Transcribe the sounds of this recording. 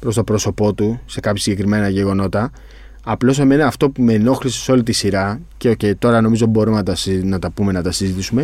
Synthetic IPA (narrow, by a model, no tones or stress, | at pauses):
pɾo̞st̪o̞pɾo̞so̞po̞t̪use̞kɐpçɐsiɲɟe̞kɾime̞nɐʝe̞ɣo̞no̞t̪ɐː | plo̞semeneɐft̪o̞pume̞no̞xɾise̥so̞lit̪isiɾɐce̞oce̞jt̪o̞ɾɐno̞mizo̞bo̞ɾumenɐt̪ɐnɐt̪ɐpume̞nɐt̪ɐsizit̪isume̞